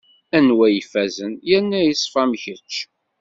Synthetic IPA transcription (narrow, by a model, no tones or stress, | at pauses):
ænwæjfæzənjænːæjəsˤfæmçət͡ʃː